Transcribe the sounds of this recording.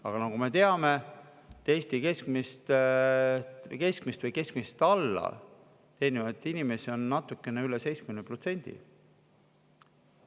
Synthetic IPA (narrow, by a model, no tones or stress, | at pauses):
ɑ̰ɡ̥ɑnɑɡ̥ume̞t̪e̞ɑme̞ | t̪e̞ːst̪ike̞skmist̪ | ke̞skmist̪vɨjke̞skmist̪ɑlːɑ̰ | t̪e̞ːnimɑet̪ːˑinime̞sio̞nːɑt̪ːˑukːˑe̞neylese̞jt͡sskymenpro̞t̪se̞nʲd̪̥ḭ